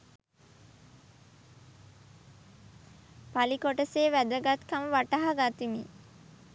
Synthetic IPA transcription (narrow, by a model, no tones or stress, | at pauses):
palikoʈəseːʋæd̪əɡat̪kaməʋaʈaɦaɡat̪imḭ